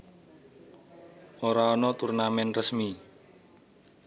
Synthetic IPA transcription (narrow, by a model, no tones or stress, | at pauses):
ɔɾaɔnɔt̪urnamɛnrəsmi